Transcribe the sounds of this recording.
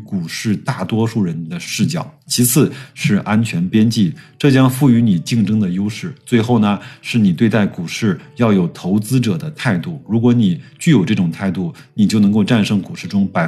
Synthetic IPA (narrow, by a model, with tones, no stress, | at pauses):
ku˨˩ʂɻ̩˥˧t̪a˥˩t̪wɔ˥ʂu˥˩ɻə˧˥nd̪ə˧ʂɻ̩˥˧t͡ɕjɑ˥˩ʊt͡ɕʰi˧˥t͡sʰɹ̩˥˩ʂɻ̩˥˩ʔa˥nt͡ɕʰɥɛ˧˥npjɛ˥nt͡ɕi˥˩ʈ͡ʂɤ˥˩t͡ɕjɑ˥ŋfu˥˩y˧˥ni˨˩t͡ɕi˥˩ŋʈ͡ʂɤ˥ŋd̪ə˨jo˥ʊʂɻ̩˥˩t͡swe˥˧ɪxo˥˩ʊnə˩ʂɻ̩˥˩ni˨˩t̪we˥˧ɪt̪a˥˩ɪku˨˩ʂɻ̩˥˩jɑ˥˩ʊjo˨˩ʊt̪ʰo˧˥ʊt͡sɹ̩˥ʈ͡ʂɤ˨˩d̪ə˦t̪ʰa˥˧ɪt̪u˥˩ɻu˧˥kwɔ˧˥ni˨˩t͡ɕy˥˩jo˨˩ʊʈ͡ʂɤ˥˩ʈ͡ʂʊ˨˩ŋt̪ʰa˥˧ɪt̪u˥˩ni˨˩t͡ɕjo˥˩ʊnɤ˧˥ŋko˥˧ʊʈ͡ʂa˥˩nʂɤ˥ŋku˨˩ʂɻ̩˥˩ʈ͡ʂʊ˥ŋpa˨˩